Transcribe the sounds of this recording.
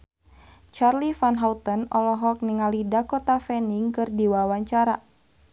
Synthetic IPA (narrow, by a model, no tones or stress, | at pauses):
t͡ʃarlifanɦaut̪ɔnɔlɔɦɔk̚niŋalidakɔt̪afɛniŋkɨrdiwawaɲt͡ʃaɾa